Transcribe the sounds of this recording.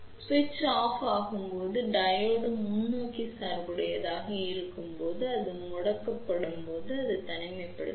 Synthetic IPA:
sʋɪt͡ʃːaːfaːɣɯmpoːðɯɖɐjoːɽɯmʊnːoːkːisaːɾbɯɽɐjɐðaːɣɐɪɾɯkːɯmpoːðɯɐðɯmʊɽɐkːɐpːɐɽɯmpoːðɯɐðɯt̪ɐnɐɪmɐɪpːɐɽɯ̰

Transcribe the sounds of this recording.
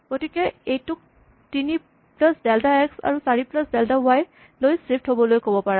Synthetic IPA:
ɡ̥otikɛejtʊk̚ | tini | plasdɛltaɛksa̰ɹusaɹiplasdɛltawaj | lojsɹip̚thobɔlojkobɔpaɹa

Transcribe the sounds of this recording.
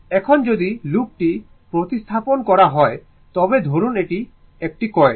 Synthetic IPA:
ɛkʰɔnd͡ʒod̪ilup̚ʈi | pɾot̪ist̪ʰaponkɔɾaɦɔe | t̪ɔbed̪ʱoɾuneʈi | ek̚ʈikɔe

